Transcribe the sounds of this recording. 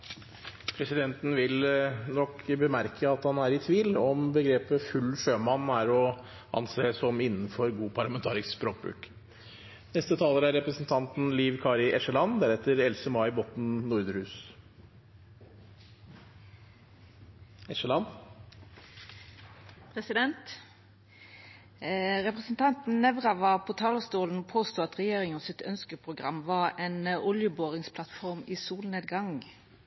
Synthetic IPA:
pʰɾɛsɪd̪ɛnt̪n̩ʋɪlnɔkʰbəmæɾkʰəɑt̪hɑnæɾɪt̪ʰʋiːlɔmbəɡɾeːpəfʉlːføːmɑnːæɾɔ | ɑ̰nseːsɔmɪnːn̩fɔɾɡuːpʰɑɭɑmɛnt̪ʰɑːɾɪssbɾoːk̚bɾʉ̰ːk | nɛst̪ət̪ʰɑːləɾæɾɛpɾəsn̩t̪ʰɑnt̪n̩liːʋkʰɑːɾɪʔɛʂəlɑnːd̪æɾɛt̪ːəɾɛlsəmɑɪbɔt̪n̩nʊɾd̪əɾhʉːs | ɛʂəlɑn | pʰʁɛsɪd̪ɛnt̪ | ʁɛpʁəsn̩t̪ʰɑnt̪n̩nɛʋʁɑʋɑpʰoːt̪ʰɑːləst̪uːln̩pʰoːst̪uːɑt̪ʁɛjeːʁɪŋɔsɪt̪œnskəpʰʁʊɡʁɑmʋɑʁeːnʊljəboːʁɪŋspʰlɑt̪fɔʁmiːsuːlneːd̪ɡɑŋ

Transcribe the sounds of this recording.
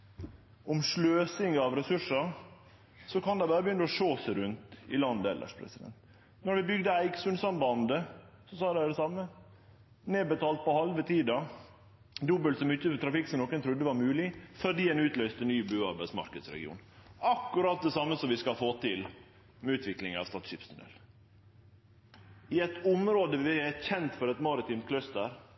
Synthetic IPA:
ʔɔmʂløːsɪŋəɑʋɾɛsʉʂɑɾ | sɔkɑnd̪ɛɪbɑːɾəbjʏnːəɔʂoːsəɾʉnt̪ɪ̰lɑnd̪əɛ̰lʔə̰ʂpʰɾɛ̰sɪd̪ɛ̰nt̪ | nɔɾʋɪbʏɡd̪əæɪɡsʉnsɑmbɑnd̪ə | sɔsɑːd̪ææɖɛsɑmːə | neːbət̪ʰɑːlt̪̚pɔhɑlʋət̪ʰiːd̪ɑ | d̪ʊbəlsɔmɪtːət̪ʰɾɑfɪksɔmnɔkːənt̪ʰɾʉd̪ːəʋɑɾmʉːlɪfɔɖ̪iːɛnʉːt̪lœʏst̪ənyːbʉːɑɾbæɪsmɑ̰ɾkəd̪sɾɛ̰ɡɪ̰ṵːnɑkːʉɾɑt̪̚d̪ɛsɑmːəsɔmʋɪskɑlfoːt̪ʰɪl | mɛʉːt̪ʋɪklɪŋɑ̰ʋst̪ɑːt̪ʃɪpst̪ʉnɛ̰l | ɪɛt̪ʊmɾoːd̪əʋɪɛçɛnt̪fɔɾɛt̪mɑɾɪt̪iːmkʰlœst̪əɾ

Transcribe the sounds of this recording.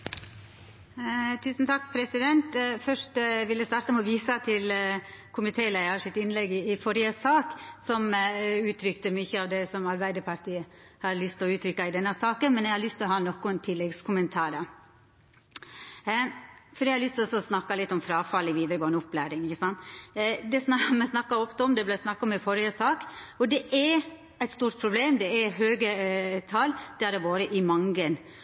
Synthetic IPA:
t̪ʰʉːsn̩t̪ʰɑk̚ːpʰɾɛsɪd̪ɛnt̪fœʂʈʋɪlːəst̪ɑːɾt̪əmɛɔʋiːsɑt̪ʰɪlkʰʊmɪt̪ʰeːlæɪɑʂɪt̪ɪnlɛɡɪːfɔɾɪəsɑːksɔmʉːt̪ʰɾʏkt̪əmyçəɑʋd̪ɛsɔmɑɾbæɪd̪əɾpʰɑɾt̪ʰiːəhɑɾlʏst̪ɔʉːt̪ʰɾʏkːɑɪd̪ɛnːɑsɑːkənmɛnjɛɪhɑɾlʏst̪lɔɦɑːnɔkːʊɛnt̪ʰɪlːɛɡskʰʊmənt̪ʰɑːɾə | fɔɾɛɪhɑɾlʏst̪ɔsɔsnɑkːɑlɪt̪ːɔmfɾɑːfɑlɪʋiːd̪əɾəɡoːnəɔplæːɾɪŋɪçəsɑnt̪d̪ɛsnɑmɛsnɑkːɑɔft̪əɔmd̪ɛblæsnɑkːɑɔmɛfɔɾjəsɑːkɔd̪ɛʔæɾ | æɪt̪st̪uːɾʈ̪̚pʰɾʊbleːmd̪ɛæɦøːɡət̪ʰɑld̪̥ɛæɾdɛboːɾəʔɪmɑŋɡən

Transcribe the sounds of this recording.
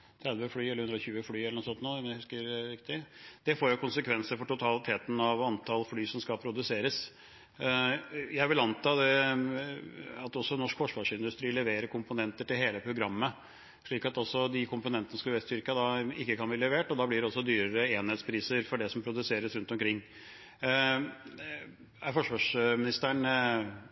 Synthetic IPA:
t̪ʰɾɛd̪ʋəflyːɛlːʉnɾɔçʉːəflyːɛlənɔsɔnt̪nuːmɛnæhʉskəɾɾɪkt̪ɪd̪̥ɛfoːɾjʊkʰʊnsəkʰʋɛnsəɾfɔʈʊt̪ʰɑlɪt̪ʰeːt̪n̩ɑʋɑnt̪ʰɑlflyːsɔmskɑpʰɾʊd̪ʉseːɾəs | jæɪʋɪlɑnt̪ɑːd̪ɛ | ɑt̪ɔsːɔnɔʂkfɔʂʋɑːʂɪnd̪ʉst̪ɾiːlɛʋeːɾəɾkʰʊmpʊnɛnt̪əʈɪlheːləpʰɾʊɡɾɑmːə | ʂɭiːkɑt̪ɔsːɔd̪ɪkʰʊmpʊnɛnt̪ənəskɑlʋɛst̪ʏɾkəd̪ɑɪkːəkʰɑnbliːlɛʋeːʈɔd̪ɑːblɪɖ̪ɛɔsːɔd̪yːɾəɾəeːnheːt̪spʰɾiːsəɾfɔɖɛsɔmpʰɾʊd̪ʉseːɾəsɾʉnt̪ɔmkʰɾɪŋː | æɾfɔʂʋɑːʂmɪnɪst̪æɳ

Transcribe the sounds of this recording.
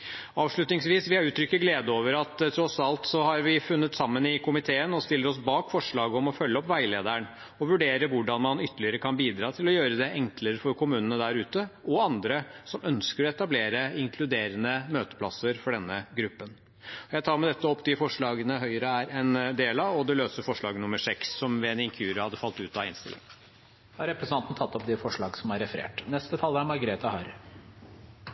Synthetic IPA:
ɑːʋʂɭʉt̪nɪŋsʋiːsʋɪhɑɾʉːt̪ʰɾʏkːəɡleːd̪əoːʋəɾɑt̪t̪ʰːɾɔsɑlt̪sɔhɑɾʋɪfʉnːət̪sɑmːənɪkʰʊmɪt̪ʰeːənɔst̪ɪlːəɾɔsbɑːkfɔʂɭɑːɡəɔmɔfœlːəɔpːʋæɪleːd̪æɳ | ɔʋʉɖeːɾəʋʊɖɑnmɑnʏt̪ːəɭɪəɾəkʰɑnbiːd̪ɾɑːt̪ʰɪlɔjøːɾəd̪ɛʔɛŋkʰləɾəfɔɾkʰʊmʉːnənəd̪æɾʉːt̪əʔɔɑnd̪ɾəsɔmœnskəɾɔɛt̪ɑbleːɾəɪŋkʰlʉd̪eːɾənəmøːt̪ə̥pʰlɑsəɾfɔɖɛnːəɡɾʉpːən | ɔjæɪt̪ʰɑːɾmɛd̪ɛt̪ːəɔpːd̪ɪfɔʂɭɑːɡənəɦœʏəɾəæɾɛnd̪eːlɑʋɔd̪ɛløːsəɾfɔʂɭɑːɡnʊmːəsɛkssɔmʋɛɛnɪŋkʰʉːɾəhɑd̪əfɑlt̪ʉːt̪ɑɪnst̪ɪ̰lːɪ̰ŋ | ɑɾɛpɾɛsənɑnt̪n̩t̪ʰɑt̪ːɔpd̪ɛfɔʂɭɑːɡsɔmæɾɛfəɾḛːʈnɛst̪ət̪ʰɑlːæɾmɑɾɡɾeːt̪ɑhɑɾ

